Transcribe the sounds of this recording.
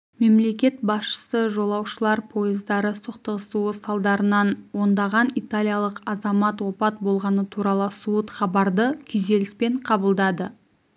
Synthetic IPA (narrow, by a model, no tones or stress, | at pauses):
me̞mle̞kʲe̞t̪̚bɑsʃə̥səʒo̞lˠɑwʃəlˠɑɾpʰo̞jɪzd̪ɑɾəsəqt̪əʁəsuəsɑlˠd̪ɑɾənɑnwo̞nd̪ɑʁɑnit̪alʲijɑlˠəqɑzɑmɑt̪wo̞pɑt̪̚bo̞lˠʁɑnət̪ʰuɾɑlˠəsut̪χɑbɑɾd̪əkʲʰʏze̞lɪspe̞ɴqʰɑbəlˠd̪ɑd̪ə